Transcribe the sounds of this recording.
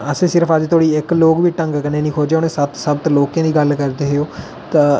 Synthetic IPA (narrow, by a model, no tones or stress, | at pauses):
əsẽːsɪɾəpʰəd͡ʒt̪ʰoːɽiːɪkloːkbiːʈə̃ŋɡkəneːnĩːkʰoːd͡ʒeːʊnesət̪səbt̪loːkẽːd̪iːɡəlkəɾd̪eːɦeoː | t̪aː